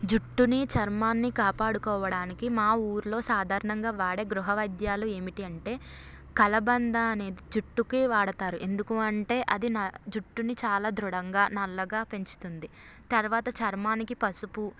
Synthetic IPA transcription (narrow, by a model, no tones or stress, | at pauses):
d͡ʒuʈːunit͡ʃɐɾmaːnːikaːpaːɽukɔːʋɐɽaːnikimaːuːɾulo̞ːsaːd̪ʱaːɾɐnɐŋɡaːʋaːɽe̞ːɡɾuɦɐʋɐjd̪jaːlue̞ːmiʈiɐɳʈe̞ː | kɐlɐbɐnd̪aɐne̞ːd̪id͡ʒuʈːukiʋaːɽɐt̪aːɾuʔe̞nd̪ukuɐɳʈe̞ːʔɐd̪inɐd͡ʒuʈːunit͡ʃaːlaːd̪ɾuɽɐŋɡaːnɐlːɐɡaːpe̞ɲt͡ʃu̥t̪und̪i | t̪ɐɾʋaːt̪ɐt͡ʃɐɾmaːnikipɐsupu